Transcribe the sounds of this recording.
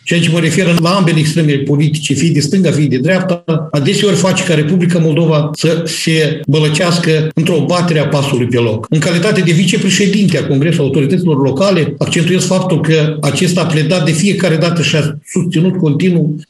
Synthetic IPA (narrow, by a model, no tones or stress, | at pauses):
t͡ʃejat͡ʃe̞məɾe̞fe̞ɾɨlaambe̞leːkst̪ɾe̞melepo̞lit̪i̥t͡ʃefijd̪est̪ɨŋɡafijd̪e̞d̪ɾeap̚t̪aad̪e̞seo̞rʲfat͡ʃe̥kaɾe̞publikamo̞lˠd̪o̞vasəse̞bələt͡ʃaskəɨnt̪ɾo̞bat̪e̞ɾeapasulujpe̞lo̞kɨŋkalit̪at̪e̞d̪e̞vit͡ʃe̞pɾe̞ʃe̞d̪int̪eako̞ŋɡɾe̞sulaut̪o̞ɾit̪ət̪sʲilo̞rlo̞kale̞akt͡ʃet̪ujezfap̚t̪ulkəat͡ʃe̞st̪aːple̞d̪at̪̚d̪e̞fije̞kaɾe̞d̪at̪əʃiasust̪sinut̪ko̞nt̪inu